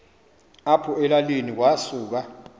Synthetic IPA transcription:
apʰuɛlalinik̬wasuːk̬a

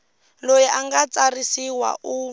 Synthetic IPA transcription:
lojɛʔaŋɡat͡sarisiwa̰ʔu

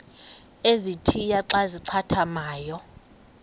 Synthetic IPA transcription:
ezitʰijaǀaziǀʰatʰamaːjɔ

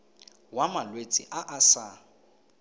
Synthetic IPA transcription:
wamalwet͡sʼḭʔaʔasa

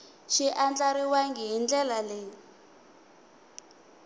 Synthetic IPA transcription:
ʃiʔand͡ɮaɾiwaŋɡiɦind͡ɮɛlaleː

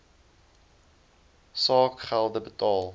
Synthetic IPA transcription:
sɑːkχælˠdəbətɑːlˠ

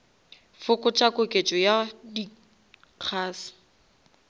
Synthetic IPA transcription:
fʊkʼʊt͡ʃʼakʼʊkʼet͡ʃʼɔjadi | q͡χʰaːsɪ̥

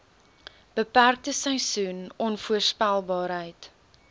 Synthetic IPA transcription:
b̥əpærk̚təsəjsunɔnfuərspælˠbɑːɾɦəjt

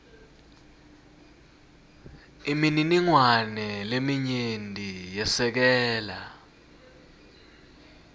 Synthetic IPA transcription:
imininiŋwanɛlemiɲendʼʱijɛsɛk̬ɛːla

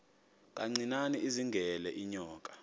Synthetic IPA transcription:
k̬ʼaŋ͡ǀinaniʔiziŋɡʱɛlɛʔiɲɔːkʼḁ

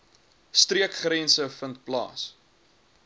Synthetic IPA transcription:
striəkχɾɛnsəfənt̚plɑ̰ːs

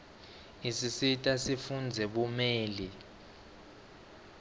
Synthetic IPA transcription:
isisitʼasifund͡zʱɛɓumɛːli

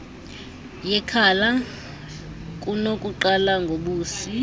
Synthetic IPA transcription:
jɛkʰala | kʼunokʼuǃalaŋɡʱoɓuːsi

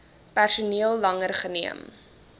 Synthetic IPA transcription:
pærsuniəlˠːɐŋərχəniəm

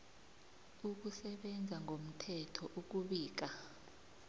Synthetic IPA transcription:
uk̬usɛɓɛnd͡zʱaŋʱom̩tʰɛtʰɔʔuk̬uɓiːk̬a

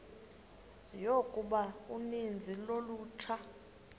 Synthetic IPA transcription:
jokʼuɓaunind͡zʱiloluːtʰa

